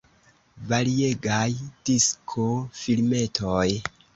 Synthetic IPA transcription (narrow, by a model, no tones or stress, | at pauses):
vaɾie̞ɡajd̥iskʰo̞filme̞tʰoj